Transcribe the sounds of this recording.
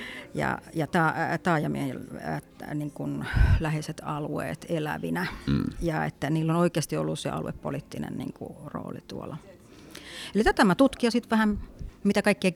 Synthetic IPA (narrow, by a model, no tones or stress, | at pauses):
jɑ̰jɑt̪ɑːt̪ɑːjɑmiehḛl | niŋkunlæheset̪ɑluḛːt̪elæ̰ʋinæjɑḛt̪ːæniːlːonoikeɑst̪io̰lːussḛɑ̰luḛppo̰lit̪ːinḛnnḭːŋkṵro̰ːlit̪uolɑ | elit̪æt̪æmæt̪ut̪kiɑsit̪ʋæhæmmit̪ækɑikːiɑ